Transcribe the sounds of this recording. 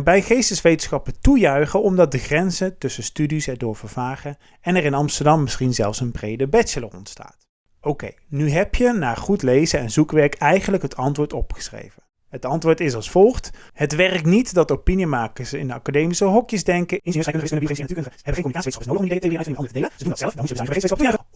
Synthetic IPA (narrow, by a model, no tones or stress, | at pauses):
bɛjχejstəsʋejtənsχɑpətujœɥχəɔmdɑt̚dəχrɛnzətɵsəstydisɛdʊːɹvəɹvaːχə | ɛnɛrɪnɑmstəɹdɑmːɪsχinzɛlˠfsənbrejdəbɛsələ̰rɔ̰ntsta̰ːt | owkejnyɦɛpjəna̰ːɹχutlejzəɛnzukʋɛɹkɛjχənləkɦətʰɑntʋʊːɹtɔpχə̥srḛjvən | ɦətɑntʋʊːɹtɪsɑlˠsfɔlˠχthətʋɛrəknitdɑtopinimaːkəsɪ̰ndəɑ̰kadejmisəɦɔkjəzdɛŋkəenssɛjknəsknəiesntyːknɛbəxejŋkɔmnikaːsəetsxɑpəsnowəɔmidejtːɛnɑndətədeləzədundɑtsɛlˠəfdmɛbəɛəensetsɑptjaə